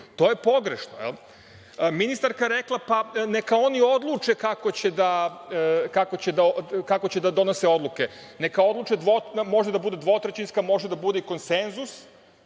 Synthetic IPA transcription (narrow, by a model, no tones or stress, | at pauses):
t̪o̞ːje̞po̞ɡɾeʃnoḛl | minist̪aɾkaɾeklˠapanekao̞nio̞d̪lˠut͡ʃe̞kako̞t͡ɕe̞d̪a | kako̞t͡ɕe̞d̪akako̞t͡ɕed̪ad̪o̞no̞seo̞d̪lˠuke | nekao̞d̪lˠuːt͡ʃe̞d̪ʋomo̞ʒed̪abud̪e̞d̪ʋo̞t̪ɾet͡ɕinskamo̞ʒed̪abud̪eiko̞nse̞nzus